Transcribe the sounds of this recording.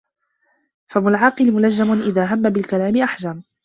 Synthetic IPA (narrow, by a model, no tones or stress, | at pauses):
fabʊlʕɑːqɨlmʊlad͡ʒːamʊnʔɪðaːɦamːabɪlkalaːmɪʔaħd͡ʒam